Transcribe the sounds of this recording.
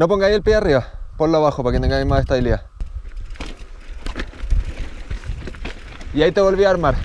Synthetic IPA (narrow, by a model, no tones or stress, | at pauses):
no̞p̬o̞ŋɡajelpjeariβapoloaβaxopaket̪eŋɡaimasest̪aβilia | iait̪e̞βo̞lβiaaɾmaɾ